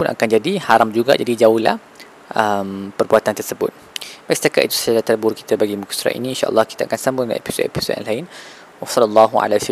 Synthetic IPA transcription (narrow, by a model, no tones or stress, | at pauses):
pʊnʔa̰kand͡ʒadihaɾamd͡ʒuɡa̰d͡ʒadid͡ʒauhla̰h | ʔəmpərbuat̪ant̪ərsəbʊ̰t̪̚ | baisət̪akat̪ʔit̪u̥səd͡ʒalat̪əlbʊrki̥t̪əbaɡimuksɾa̰ʔḭniːnʃaʔə̰lːɑhkit̪aakansambʊnna̰ḛpi̥so̰t̪ḛpi̥so̰t̪ʔa̰ŋlaɪn | wɑsɑləlˤːɑɦua̰las